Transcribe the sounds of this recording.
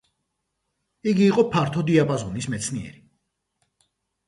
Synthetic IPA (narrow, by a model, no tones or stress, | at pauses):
iɡiːqʼɔpʰaɾt̪ʰɔd̪iapʼazɔnismɛt̪sʰniɛ̰ɾi